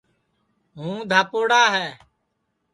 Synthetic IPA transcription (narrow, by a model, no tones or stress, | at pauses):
ɦũːd̪ʱaːpoːɽaːɦɛː